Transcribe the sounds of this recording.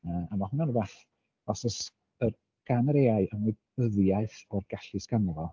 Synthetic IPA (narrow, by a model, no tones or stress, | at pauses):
əːamahʊnɔnəbaχ | ɔsɔs | ər | ɡ̥anəɾeːaɨəmɔd | əðjaɨθɔrɡaɬɨskanɔvɔ